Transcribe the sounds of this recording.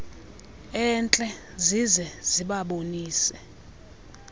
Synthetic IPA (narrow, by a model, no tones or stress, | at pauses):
ɛnt͡ɬʼɛ | zizɛz̥iɓaɓoniːsɛ